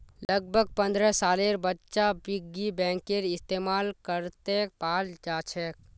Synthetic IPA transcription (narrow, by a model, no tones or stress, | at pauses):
ləɡ̚bʱəɡ̚pə̃nd̪ɾəsaːleːɾbətːʃabɪɡibɛ̃ːŋkeɾɪst̪eːmaːlkəɾt̪epaːld͡ʒaːt͡ʃʰɛk